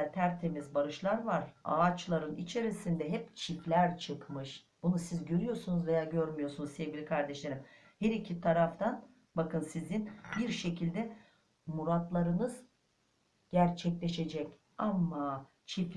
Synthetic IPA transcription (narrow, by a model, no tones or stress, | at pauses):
t̪ʰæɾt̪ʰe̞mizbaɾɯʃlˠaɾvaɾa̰ːt͡ʃlˠaɾɯnit͡ʃʰe̞ɾisind̪ɛɦɛpt͡ʃʰiflʲæɾt͡ʃʰɯkmɯʃ | b̥unusizɟøɾyjo̞ɾsunuzvejaɟøɾmyjosunuzsevɟʲilʲikʰaɾd̪ɛʃlʲe̞ɾim | hɛɾicʰit̪ʰaɾaft̪ʰan | bakɯnsizinbiɾʃe̞cʰilʲd̪ɛ | muɾat̪lˠaɾɯnɯz̥ | ɟ̥æɾt͡ʃʰɛclʲe̞ʃe̞d͡ʒɛc | amːa | t͡ʃʰif